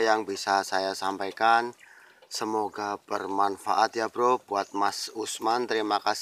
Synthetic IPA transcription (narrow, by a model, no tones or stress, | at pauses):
jaŋbisasajasampajkan | səmoɡab̥ərmanfa̰ʔat̪jabɾob̥uat̪̚masusmant̪əɾimakas